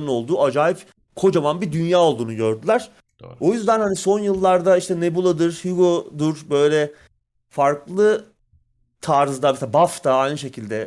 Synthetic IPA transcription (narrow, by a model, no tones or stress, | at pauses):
ɯno̞lˠd̪uːad͡ʒaːjip | kʰo̞d͡ʒamanbid̪ynjaːo̞lˠd̪uːnuɟø̞ɾd̪ylʲˠæɾ̥ | o̞jyzd̪ænhaniso̞njɯlˠːaɾd̪aiʃt̪ʰɛne̞bulˠad̪ɯɾ̥hyɡod̪uɾ̥bø̞jlʲɛ | faɾklˠɯ | t̪ʰaːɾɯzd̪ameseabaft̪ʰaajnɯʃe̞cʰilʲd̪ɛ